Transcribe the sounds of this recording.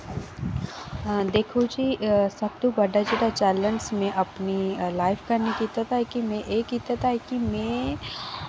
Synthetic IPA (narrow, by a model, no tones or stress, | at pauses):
d̪eːkʰod͡ʒisɐb̚t̪ubɐɖad͡ʒed̪at͡ʃɛːləɳsmẽʔɐpnilaːɪfkɐɾnikit̪at̪ʰaːɦekimẽʔeːkit̪at̪aɛkimẽː